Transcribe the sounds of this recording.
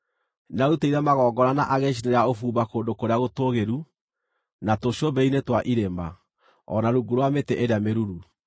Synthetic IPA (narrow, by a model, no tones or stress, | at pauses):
nauteiɾɛmaɣɔːɡɔɾanaʔaɣeʃ̬ineɾaofuːbakoːndokoɾeaɣotoɣeɾu | natoɕobɛinetwaʔiɾemba | ɔ̰naɾuɡuɾowametɛʔeɾeameɾuɾu